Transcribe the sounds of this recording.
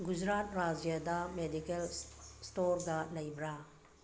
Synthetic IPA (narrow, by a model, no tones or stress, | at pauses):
ɡud͡ʒɾatɾad͡ʒjadamedikelstoɾɡɐlɐjbɾa